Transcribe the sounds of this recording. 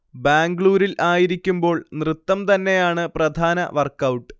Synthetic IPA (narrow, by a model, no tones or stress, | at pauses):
baːŋɡɭuːɾilʔaːjiɾikʲːumbo̞ːɭnrɨt̪ːɐmt̪ɐnːe̞jaːɳɨprɐd̪ʱaːnɐ̰ʋɐrkɐwʈːɨ